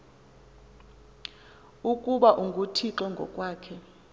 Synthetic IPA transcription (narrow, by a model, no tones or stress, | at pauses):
ukʼuɓaʔuŋɡʱutʰiǁɛŋɡʱɔ̰kʼwaːkʰɛ